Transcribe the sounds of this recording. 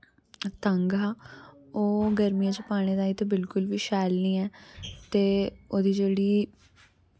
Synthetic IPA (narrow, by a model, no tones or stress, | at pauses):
t̪əŋɡaːoːɡəɾmijãːt͡ʃəpaːɽ̃eːd̪aːiːt̪õbɪlkʊlʋiːʃaːlniːɛːt̪eːoːd̪iːd͡ʒeːɽiː